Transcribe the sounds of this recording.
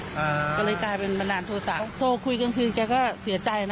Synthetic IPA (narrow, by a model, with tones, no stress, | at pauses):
ʔa˧kɔː˧˩lɤː˧jkaː˧jpe˧nma˧naː˧nt̪ʰoː˧sa˨˩soː˧˩kʰu˧jka˧nkʰɯː˧kɛː˧˩kɔː˥˩si˨˩˦ɐt͡ɕa˧jn˧